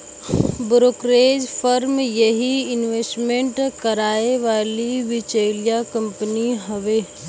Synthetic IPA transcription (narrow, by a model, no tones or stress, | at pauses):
bʊɾoːkɾeːd͡ʒfʰəɾmjəɦiɪnʋeːsʈmẽɳʈkəɾaːeʋaːliʋɪt͡ʃeːlijakəmpəniɦəʋeː